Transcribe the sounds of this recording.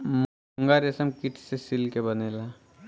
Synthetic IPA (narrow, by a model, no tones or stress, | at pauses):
m | ŋɡaɾesəmkɪʈʰsesɪlkebəneːla